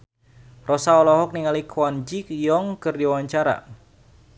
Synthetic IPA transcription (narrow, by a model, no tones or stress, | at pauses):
rɔsaɔlɔɦɔk̚niŋalikʰwand͡ʒikjɔŋkɨrdiwawaɲt͡ʃaɾa̰